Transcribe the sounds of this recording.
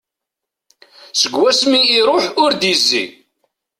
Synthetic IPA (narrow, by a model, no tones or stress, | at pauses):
səɡwæsmiːɾˤoħʊɾd̪izːḭ